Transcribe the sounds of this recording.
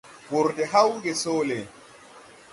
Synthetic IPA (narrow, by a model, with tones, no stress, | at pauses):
bɔ˨ɾdɛ˨ɦa˦wɡɛ˨soː˦lɛ